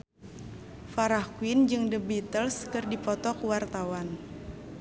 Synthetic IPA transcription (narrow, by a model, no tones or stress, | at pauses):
faɾahkwind͡ʒɨŋdəbit̪əlskɨrdipɔt̪ɔkuwart̪awan